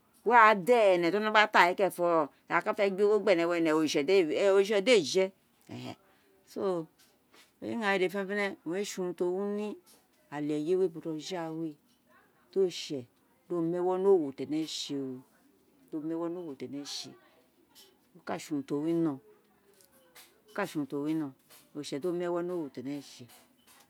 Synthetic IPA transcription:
wɛ˦a˨dɛ˦˨nɛ˨to˦no˦ba˦ta˦˨ɛ˨˦kɛ˦˨fɔ˧˨ka˦fɛ˦ɡ͡be˦o˦ɡ͡bɛ˦˨nɛ˨wɛ˧˦˨nɛ˨o˨ʃo˦ʃɔ˧de˦˨d͡ʒɛ˦ | ɛ̰˨hɛ̰˨ | so˦ | o̰˨jḛ˦ŋa˨ji˨de˨fɛ˦fɛ˦nɛ˦˨˦e˦ʃu˧nu˨˧to˧˨wu˦ni˦ | a˨lɛ˨je˦we˦˨bo˨to˧ʒa˦˨we˦ | d̥o˦ʃɛ˨ | do˦mɛ˦wɔ˦no˦˨wo˨tɛ˨nɛ˦ʃe˧˨wi˨ | do˦˨mɛ˦wɔ˦no˦wo˨tɛ˨nɛ˦ʃe˨ | o˦ka˦˨ʃu˨n˨to˨wi˦nɔ̃˨ | o˨ka˦ʃu˨nu˨to˨wi˦nɔ̃˨o˨ʃɛ˨do˦˨mɛ˦wɔ˦no˦wo˨tɛ˨nɛ˦˨ʃe˨

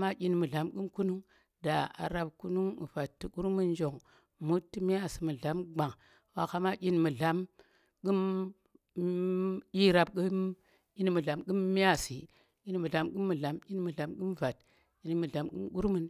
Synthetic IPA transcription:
ma˦kʲi˦nmɨ˨ɮa˨˦mɡu˦mku˦nu˦ŋ | da˨a̰˨ɾa˦bku˦nu˦ŋ̰˨va˨tːi˨ku˦ɾmɨ˦nd͡ʒo˨ŋ | mu˦tːi˦mi˦a˦si˨mɨ˨ɮa˨˦mɡ͡ba˨ŋ | wa˨ka˦ma˦kʲi˦nmɨ˨ɮa˨m | ɡɨ˦m | i˦ɾa˨bkɨ˦m | i˦n˦mɨ˨ɮa˨mɡɨ˦mːi˦a˦˨si˨ | i˦n˦mɨ˨ɮa˨˦mɡɨ˦mːɨ˨ɮa˨mʲi˦n˦mɨ˨ɮa˨˦mɡɨ˦m˨va˨t | i˦n˨˦mɨ˨ɮa˨˦mɡɨ̰˦mɡu˦ɾmɨ˦n

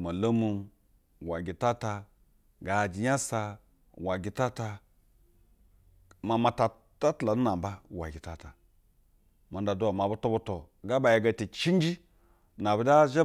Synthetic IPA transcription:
ma˨lo˦mu˨m | wa˨ɡʲi˨ta˦ta˧ | ɡa˨d͡ʒi˨ja˦sa˧ | wa˨ɡʲi˨ta˦ta˧ | ma˨ma˨ta˨ | ta˦tla˨nu˦na˨m˨ba˦wa̰˨ɡʲi˨ta˨ta˨ | ma˨nda˨du˦wa˨ma˨bu˦to˦bo˦to˨ | ɡa˦ba˨je˨ɡa˨te˨t͡ʃi˦n˦d͡ʒi˦ | na˨bu˨da˦ʒe˦

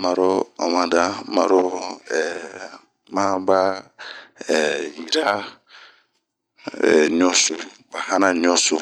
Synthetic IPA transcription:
ma˨ɾo˦a˨mã˨da˦ma̰˨˦ɾo˦ɛ˨ | mã˦ba˦ | ɛ˨ji˨ɾa˦ | ɛ̰˨ɲ˦ɔ˦so˨ba˨hã˦nã˨ɲ˦ɔ˦so˨

